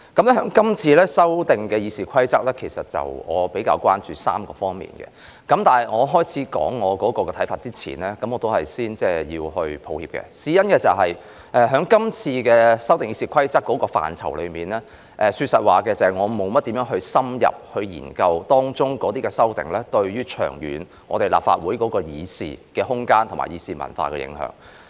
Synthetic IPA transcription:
kɐ˨˥mlɛ˥hœː˨˥ŋkɐ˥mt͡sʰiː˧lɛː˥sɐ˥wt̪ɪ˨ŋkɛː˧jiː˨˧siː˨kʷʰɐ˥jt͡sɐ˥k̚lɛː˥kʰe˨˩jsɐ˨t̚t͡sɐ̰˨˩wŋɔ̰ː˨˧pe˨˥jkaː˧wkʷaː˥nt͡ʃyː˨sa̰ː˥mkɔː˧fɔː˥ŋmḭː˨˩nkɛ̰˧ | kɐ˨˥mt̪aː˨˩nɐ˨jŋɔː˨˧ɦɔː˥jt͡sʰiː˨˥kɔ̰ː˨˥ŋːɔː˨˧kɔː˨˥kɔː˧kɛː˧t̪ʰjfaː˧t̚t͡siː˥t͡sʰḭː˨˩nlɛː˥kɐ˨˥mːɔː˨˧t̪o˥whɐ˨jsiː˥nt͡sɛː˥˩jiː˧whɵ˧ɥpʰo˨˧whiː˧p̚kɛ̰˧siː˨˥jɐ˥nkɛː˧t͡sɐ˨wɦɐ˨j | ʔɛː˨˧ɦœː˨˥ŋkɐ˥mt͡sʰiː˧kɛː˧sɐ˥wt̪ɪ˨ŋjiː˨˧siː˧kʰɐ˥jt͡sɐ˥k̚kːɔ˨˧˥kɔː˧fa̰ː˨nt͡sʰɐ̰˨˩wlɵ˨˧ɥmiː˨˩nlɛː˥ | ʔɛː˨syː˧t̚sɐ˨t̚waː˨˩kɛː˧t͡sɐ˨hɐ˨jŋɔː˨˧mo˨˧wmɐ˥t̪̚i˨˥mjœː˨˥ŋɦɵ˧ɥsɐ˥mjɐ̰˨p̚hɵ˧ɥjḭː˨˩nkɐ˧wt̪ɔː˥ŋt͡ʃʊ˥ŋkɔː˨˥t̪iː˥kɛː˧sɐ˥wt̪ɪ̰˨ŋlɛː˥t̪ɵ˧ɥjyː˥t͡ʃʰœ̰ː˨˩ŋjy̰ː˨˥n | ŋɔ̰ː˨˧t̪e˨jla̰ː˨pfa̰ː˧t̚wuː˨˥jkɔː˨˥kɔː˧jiː˨˧sḭː˨kɛː˧hʊ˥ŋkaː˥nt̪ʰʊ˨˩ma̰ː˨˩jiː˧siː˧mɐ̰˨˩nfa̰ː˧kɛ̰ː˧jɪ̰˨˧˥ŋhœ̰ː˨˥ŋ

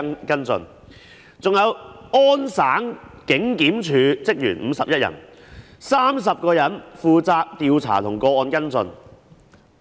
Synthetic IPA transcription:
kɐ˥nt͡sɵ̰˧n | t͡sʊ˨ŋjɐ˨˧wɔː˥nsaː˨˥ŋkɪ˨˥ŋkiː˨˥mt͡ʃʰyː˨˧t͡sɪ˥k̚jyː˨˩nm̩˨˧sɐ˨p̚jɐ˥t̚jɐ̰˨˩n | saː˥ms̬ɐ˨p̚kɔː˧jɐ˨˥nfuː˧t͡saː˧k̚t̪iː˨wt͡sʰa̰ː˨˩t̪ʰʊ˨˩ŋkɔː˧ɔː˧nkɐ˥nt͡sɵ̰˧n

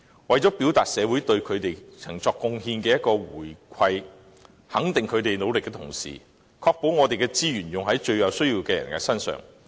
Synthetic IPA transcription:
wɐ˨jt͡ʃɔː˨˥piː˨˥wt̪aː˨t̚sɛː˨˧wuː˨˥jt̪ɵ˧ɥkʰɵ˨˧t̪e˨jt͡sʰɐ˨˩ŋt͡sɔː˧kːʊ˧ŋhiː˧nkɛː˧jɐ˥t̚kɔː˧wuː˨˩jkʰɐ˧j | hɐ˨˥ŋt̪ɪ˨ŋkʰɵ˨˧ɥt̪e˨jno˨˧wlɪ˨kːɛː˧t̪ʰʊ̰˨˩ŋsḭː˨ | kʰɔː˧k̚po˨˥wŋɔː˨˧t̪e˨jkɛː˧t͡siː˥jyː˨˩njʊ˨ŋɦɐ˨˥jt͡ʃɵ˧ɥjɐ˨˧wsɵ˥ɥjiː˧wkɛː˧jɐ̰˨˩nkɛ̰ː˧sɐ˥nsœ̰ː˨ŋ

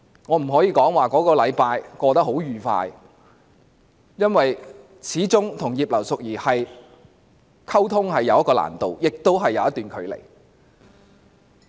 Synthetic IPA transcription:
ŋɔː˨˧m̩˨˩ɦɔː˨˥jiː˧kɔː˨˥ŋwaː˨˩kɔː˨˥kɔː˧lɐ˨˧jpaː˧jkɔː˧t̪ɐ˥k̚ho˨˥wjyː˨fa̰ː˧j | jɐ˥nwɐ˨j | t͡sʰiː˨˥t͡sʊ˥ŋt̪ʰʊ˨˩ŋjiː˨p̚lɐ˨˩wsʊ˨k̚jiː˨˩hɐ˨j | kʰɐ˥wt̪ʰʊ˥ŋɦɐ˨jːɐ˨˧wjɐ˥kɔː˧la̰ː˨˩nt̪o˨wjɪ˨k̚t̪o˥wɦɐ˨jːɐ˨˧wjɐ˥t̪yː˨nkʰɵ˨˧ɥlḛ˨˩j

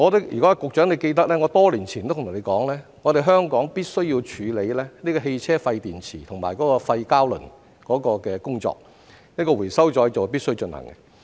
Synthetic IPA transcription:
ŋɔː˨˧t̪ɪ˨˥k̚jy̰˨kɔ˨˥a˧kʊ˨k̚t͡ʃœː˨˥ŋle˨˧jke˧jt̪ɐ˥k̚lɛː˥ŋɔ˨˧t̪ɔː˥liː˨˩nt͡sʰi˨nt̪o˥t̪ʰːn˨˧kɔː˨˥ŋlɛː˥ŋɔ˨˧ɾe˨˩ɦœː˥ŋkɔː˨˥ŋpiː˥t̚sɵ˥ɥjiː˧wt͡ʃʰyː˨˧le˨˧jlɛː˥niː˥kɔː˧ɦe˧jt͡sʰɛː˥fɐ˧jt̪iː˨˩nt͡sʰiː˨˩t̪ʰʊ˨˩ŋmaː˨˩jkɔː˨˥kɔː˧fɐ˧jkaː˥wlɵ̰˨˩n | kɔː˨˥kɔː˧kɛː˧kʊ˥ŋt͡ʃɔ̰ː˧k̚ | niː˥kɔ˧wu˨˩jsɐ˥wt͡ʃɔː˨˧jt͡sɐ˨wp̬iː˥t̚sɵ˥t͡ʃɵ˧nhɐ̰˨˩ŋkɛ˧

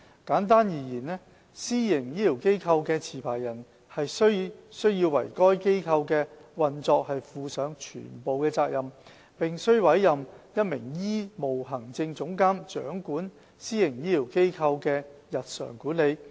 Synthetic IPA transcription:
kaː˨˥nt̪̬aː˥njiː˨˩jiː˨˩nnɛː˥ | siː˥jɪ˨˩ŋjiː˥liː˨˩wke˥jkʰɐ˧wkɛː˧t͡sʰiː˨˩pʰaː˨˩jɐ˨˩n | hɐ˨jsɵ˥ɥsɵ˥ɥjiː˧wwɐ̰˨˩jkɔː˥jke˥jkʰɐ˧wkɛː˧wɐ˨nt͡sɔː˧k̚hɐ˨jfuː˨˧sœː˨˧˥ŋt͡ʃʰy̰ː˨˩npo˨wkɛː˧t͡saː˧k̚jɐ˨m | pɪ˨ŋsɵ˥ɥwɐ˨˥jːɐ˨mjɐ˥t̚mɪ˨˩ŋjiː˥mo˨˩wɦɐ˨˩ŋt͡sɪ˧ŋt͡sʊ˨˥ŋkaː˥mt͡ʃœ̰ː˨˥ŋkuː˨˥n | siː˥jɪ˨˩ŋjiː˥li˨˩wke˥jkʰɐ˧wkɛː˧jɐ˨t̚sœ̰ː˨˩ŋkuː˨˥nle˨˧j

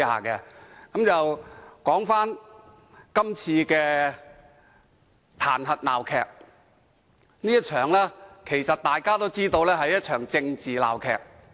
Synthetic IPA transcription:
ha̰ː˨˩kɛ˧kɐ˨˦mt͡sɐ˨wkɔː˨˥ŋfaː˥n | kɐ˥mt͡sʰiː˧kɛː˧ | t̪ʰaː˨˩nɦɐ˨t̚la̰ː˨˩wkʰɛː˨˧k̚ | niː˥jɐ˥t̚t͡ʃʰœː˨˩ŋlɛː˥kʰe˨˩jsɐ˨t̚t̪aː˨jkaː˥t̪o˥wt͡siː˥t̪o˧wlɛː˥ɦɐ˨jːɐ˥t̚t͡ʃʰœː˨˩ŋt͡sɪ˧ŋt͡siː˨la̰ː˨˩wkʰɛ̰ː˨˩k̚

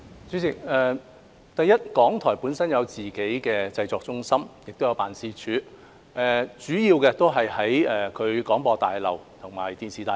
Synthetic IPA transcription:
t͡syː˨˥ɪ˨k̚ɛː˨˧ | t̪ɐ˨jɐ˥t̚kɔː˨˥ŋt̪ʰɔː˨˩jpuː˨˥nsɐ˥njɐ˨˧wt͡siː˨ke˨˥jkɛː˧t͡sɐ˧jt͡sɔː˨k̚t͡sʊ˥ŋsɐ˥mjɪ˨k̚t̪o˥wjɐ˨˧wpaː˨nsiː˨˥t͡ʃʰyː˨˥ | ʔɛː˨t͡syː˨˥jiː˧wkɛː˧t̪o˥wɦɐ˨jhɐ˨˥jɛː˨kʰɵ˨˧ɥkɔː˨˥ŋpɔː˧t̪aː˨jlɐ̰˨wt̪ʰʊ˨˩ŋmaː˨˩jt̪iː˧nsiː˨t̪aː˨˧

